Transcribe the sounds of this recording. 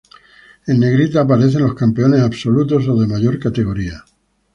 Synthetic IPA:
e̞nːe̞ɣɾit̪aːp̬aɾe̞θe̞nlo̞skampe̞o̞ne̞saβso̞lut̪o̞so̞ðe̞maʝo̞ɾkat̪e̞ɣ̞o̞ɾia

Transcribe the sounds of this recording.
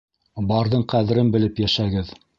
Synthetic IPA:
bɑɾðɤɴqæðɘ̆ɾɘnbɘ̆lɘpjæʃæɡɘð

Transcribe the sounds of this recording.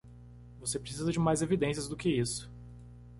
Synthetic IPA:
vosepɾesizɐd͡ʒɪmajzevid̪ẽsijɐzd̪ʊkɪisʊ̥

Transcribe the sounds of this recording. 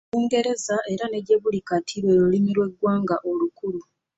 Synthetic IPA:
uːŋɡe̞ɾe̞zaʔe̞ɾane̞dje̞βulikatʰiɾwe̞ːɾulimiɾwe̞ɡwaːŋɡaʔo̞lukuɾu

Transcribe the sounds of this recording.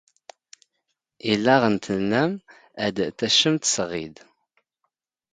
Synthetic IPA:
ilːæʁənt̪ənːæm | æd̪θæʃəmt̪sʁḭd̪

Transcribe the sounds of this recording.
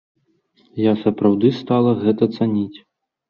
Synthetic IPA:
jasɐpɾawd̪ɨst̪alˠɐɣɛt̪ɐt̪sanʲit͡sʲ

